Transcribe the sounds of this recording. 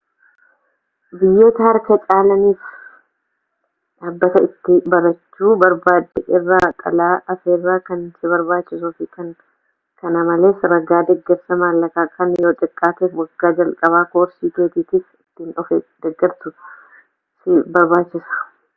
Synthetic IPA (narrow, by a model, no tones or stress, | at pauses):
bɪjːeːt̪ɐhɐɾkɐt͡ʃʼaːlɐniːf | ᶑaːbːɐt̪ɐɪt̪ːɪbɐɾɐt͡ʃːuːbɐɾbaːd̪ɛʔɪrːaːt̪ʼɐ̰laːʔɐfeːrːaːkɐnsɪβɐɾbaːt͡ʃːɪsuːfɪkɐn | kɐnɐmɐle̞ːsɾɐɡaːd̪ɛɡːɛɾsɐmaːlːɐkaːkʰɐnjo̞ːt̪ʼɪkʼːaːt̪eːfwɐɡːaːd͡ʒɐlkʼɐβaːkoːɾsiːk̪eːt̪iːt̪ɪfɪt̪ːɪnɔfed̪̥ɛɡːɐɾsʊ | sɪbɐɾbaːt͡ʃːɪsɐ̥